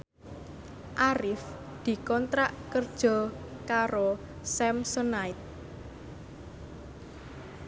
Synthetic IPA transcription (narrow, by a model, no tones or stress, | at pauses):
ʔaɾɪf | d̪̥i̤kɔnt̪ɾaʔkərd̥ʒ̥ɔ̤kaɾo | sɛmsɔnaɪt̪̚